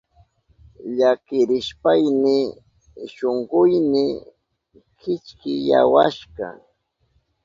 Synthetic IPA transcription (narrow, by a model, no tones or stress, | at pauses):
ʎakɪɾɪʃpajnɪ | ʃoɴɢʊjnɪ | kɪt͡ʃkɪja̰waʃɢɑ̰